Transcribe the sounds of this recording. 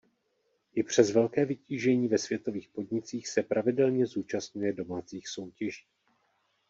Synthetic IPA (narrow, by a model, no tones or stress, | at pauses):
ʔɪpr̝̥ɛzvɛlkɛːvɪciːʒɛɲiːvɛsv̥jɛt̪o̞viːxpo̞dɲɪt͡siːxsɛpɾʔavɪdɛlɲɛzuːt͡ʃast̪ɲujɛdo̞maːt͡siːxso̞wcɛʒiː